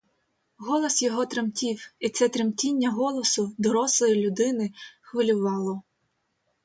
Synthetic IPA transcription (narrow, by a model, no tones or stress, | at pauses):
ɦɔlˠɔsjɔɦɔt̪ɾemtʲiwit̪sɛt̪ɾemtʲinʲːɐɦɔlˠɔsʊd̪ɔɾɔslˠɔjilʲʊd̪ɪnɪxʋɪlʲʊʋɑlˠɔ